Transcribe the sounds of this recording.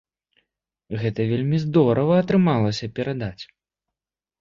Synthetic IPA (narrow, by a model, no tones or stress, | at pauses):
ɣɛt̪ɐvʲelʲmʲizd̪ɔɾɐvɐːt̪ɾɨmalˠɐsʲɐpʲɛɾad̪at͡sʲ